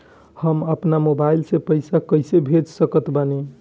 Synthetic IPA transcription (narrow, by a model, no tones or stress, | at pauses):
həməpnamobajlsẽpəjsakəɪsebʱed͡ʒsəkət̪bəne